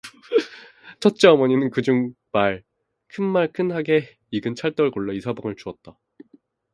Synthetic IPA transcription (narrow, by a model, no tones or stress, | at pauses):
t͡ɕʰʌt̚t͡ɕ͈eʌmʌɲinɯnkɯd͡ʑuŋ | maɭ | kʰɯnmaɭkʰɯnɦaɡe̞ | iɡɯnt͡ɕʰaɭt͈ʌɭɡoɭːʌisʰabʌŋɯɭt͡ɕuʌt̚t͈a